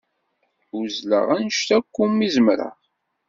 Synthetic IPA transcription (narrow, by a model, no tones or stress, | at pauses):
uzlə̰ʁænəʃt̪ækʷːumːizəmɾə̰ʁ